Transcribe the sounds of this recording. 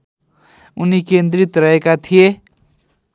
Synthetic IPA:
unikend̪rit̪rʌɦekat̪ʰije

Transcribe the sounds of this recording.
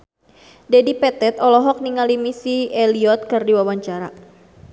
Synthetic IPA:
dɛdipɛt̪ɛt̪ɔlɔɦɔk̚niŋalimisieliɔt̪̚kɨrdiwawaɲt͡ʃaɾa̰

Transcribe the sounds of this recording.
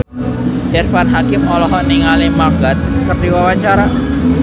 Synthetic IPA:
dɛrfanɦakɪmːɔlɔɦɔʔniŋalimarɡat̪st̪əp̚diwawaɲt͡ʃaɾa

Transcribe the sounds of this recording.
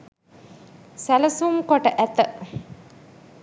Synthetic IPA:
sælɐsumkoʈəʔæt̪ə

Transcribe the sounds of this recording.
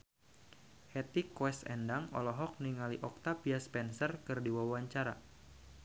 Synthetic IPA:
hɛt̪ikwɛsɛ̰ndaŋɔ̰lɔɦɔk̚niŋaliʔɔk̚t̪apiaspɛnsərkɨrdiwawaɲt͡ʃaɾa̰

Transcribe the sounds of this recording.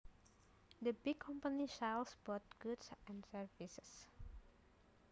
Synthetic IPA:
d̪əbɪɡkʰɔ̃mpaniʃalsbɔt̚ɡ̥udsɛ̃nsəɹvisəs

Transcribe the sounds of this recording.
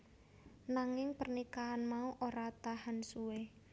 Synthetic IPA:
naŋɪŋpərnikaːnmauʔoɾat̪aɦansuwe

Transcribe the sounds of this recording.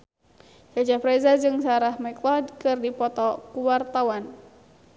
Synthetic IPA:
sad͡ʒapɾɛzad͡ʒɨŋsaɾahmɛklɔdkɨrdipɔt̪ɔkuwart̪awan

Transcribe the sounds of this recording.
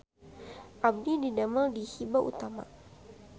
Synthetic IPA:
ʔab̚dididamaldihibaʔṵt̪ama̰

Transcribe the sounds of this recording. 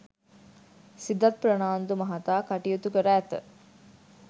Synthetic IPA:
sid̪ɐt̪̚pɾɐnaːnd̪umɐɦɐt̪aːkɐʈijut̪ukəɾæːt̪ə̰

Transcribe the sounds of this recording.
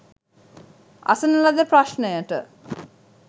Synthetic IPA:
a̰sənəlad̪əpɾaʃnəjəʈə

